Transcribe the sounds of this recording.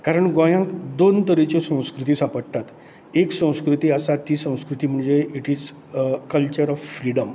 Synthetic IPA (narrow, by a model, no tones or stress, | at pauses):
kaɾəɳɡɔ̃jãŋkd̪ont̪əɾet͡ɕesə̃w̃skɾut̪̬iːsapəɽt̪at̪ | eksə̃w̃skɾut̪iːəsat̪ːiːsə̃w̃skɾut̪iːm̤əɳd͡zeiʈiːd͡z | kəlt͡ɕəɾɔffɾiɽəm